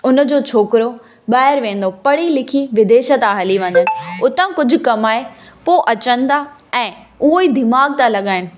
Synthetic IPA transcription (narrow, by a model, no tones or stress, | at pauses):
ʊn̆d͡ʑoːt͡ɕʰoːkɪɾo | ɓaːɪɾʋẽːn̆d̪opɐɽ̤ilɪkʰiʋɪd̪eːʃət̪aɦɐliʋɐ̃ɲd̪ənɪ̆ʊt̪ãkʊd͡ʑʱʊ̆kɐmaːɦe | poʔɐt͡ɕə̃nd̪a | ɛ̃ː | ʊɦoiːd̪ɪmaːɡ̚t̪ãlɐɠaːɪnɪ̆